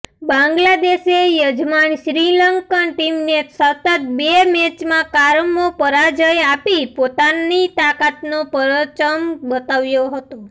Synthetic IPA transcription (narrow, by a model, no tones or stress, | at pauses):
bãŋɡlad̪eʃejəd͡ʒmanʃɾiləŋkənʈimnesət̪ət̪̚bemet͡ʃmãkaɾmopəɾad͡ʒəjapipot̪anit̪akat̪nopəɾət͡ʃəmbət̪aʋjoɦət̪o